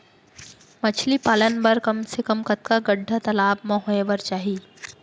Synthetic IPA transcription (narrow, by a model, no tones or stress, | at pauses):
mɐt͡ʃʰlipaːlənbɐɾkɐmsekɐmkɐt̪̚kaɡɐɖʱːat̪ɐlaːb̚mɐ̃ɦeːʋəɾt͡ʃaːɦiː